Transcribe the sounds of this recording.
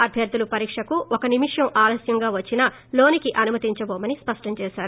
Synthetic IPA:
ɐbʱjɐɾd̪ulupɐɾiːkʂɐkuɔkɐnimiʂjɐmʔaːlɐsjɐŋɡaːʋɐt͡ʃːinɐ | lo̞ːnikiʔɐnumɐt̪iɲt͡ʃɐboːmɐnispɐʂʈɐɲt͡ʃɛːʃaːɾu

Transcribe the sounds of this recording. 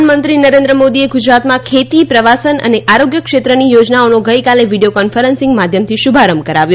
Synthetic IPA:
nmənt̪ɾinəɾend̪ɾəmod̪ieɡud͡ʒɾat̪mãkʰet̪ipɾəʋasənə̰neʔaɾoɡjəkʃet̪ɾənijod͡ʒnaonoɡəjkaleʋiɖijokɔnfəɾənsɪ̃ŋɡmad̪ʱjəmt̪ʰiʃubʱaɾəmkəɾaʋjõ

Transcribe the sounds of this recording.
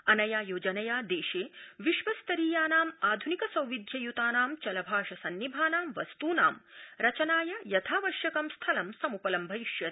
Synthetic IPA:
ɐnɐjaːjoːd͡ʒɐnɐjaːd̪eːʃeːʋiʃʋɐst̪ɐɾiːjaːnaːmaːd̪ʱunikɐsɐwʋid̪ʱjɐjut̪aːnaːmt͡ʃɐlɐbʱaːʂɐsɐnːibʱaːnaːmʋɐst̪uːna̰ːmɾɐt͡ʃɐnaːjɐjɐt̪ʰaːʋɐʃjɐkɐmst̪ʰɐlɐmsɐmupɐlɐmbʱɐiʃjɐt̪

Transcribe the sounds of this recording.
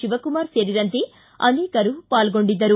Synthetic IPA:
iʋɐkumaːɾseɾiɾɐnt̪i | ɐ̰nikɐɾupaːlɡo̞ɳɖid̪ːɐɾu

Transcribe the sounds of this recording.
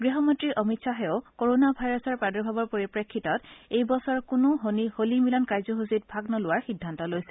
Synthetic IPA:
ɡɹiɦɔmɔntɹiʔɔmitsʰaɦɛʊkoɹonabʱajɹɔsɔɹpadɔɹbʱabɔɹpoɹipɹekʰːitɔtejbɔsɔɹkʊnʊiholimilɔnkajzɔɦusit̚bʱaɡnɔlʊwaɹxidʱːantɔlojsɛ̥

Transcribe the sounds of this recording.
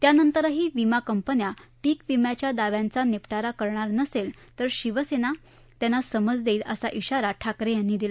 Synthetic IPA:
t̪janənt̪əɾɦiːʋimakəmpənjapiːkʋimjat͡ɕjad̪aʋjãnt͡sanepʈaɾakəɾɳaɾnəsel | t̪əɾɕiʋəsena | t̪janːasəməd͡zd̪eiːləsaʔiɕaɾaʈʰakɾejanːiːd̪ilə

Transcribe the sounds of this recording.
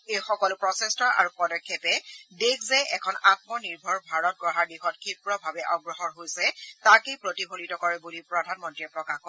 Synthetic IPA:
ejxɔkɔlpɹɔsɛstɔʔa̰ɹupɔdɔkʰːepɛdekzɛʔɛkʰɔnat̚mɔniɹbʱɔɹbʱaɹɔt̚ɡɹɔɦaɹdixɔtkʰipɹɔbʱabɛʔɔɡɹɔɦɔɹɦojsɛtakejpɹotibʱonitɔkɔɹɛbulipɹɔdʱanmɔntɹiɛpɹɔkaxkɔ

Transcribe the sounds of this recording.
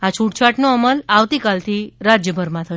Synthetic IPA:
at͡ʃʰuʈt͡ʃʰaʈnoəməlaʋt̪ikalt̪ʰiɾad͡ʒjəbʱəɾmãt̪ʰə

